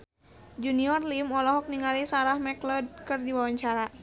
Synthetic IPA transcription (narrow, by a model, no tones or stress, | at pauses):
d͡ʒuniɔrlimɔlɔɦɔk̚niŋalisaɾahmɛklɔd̚kɨrdiwawaɲt͡ʃaɾa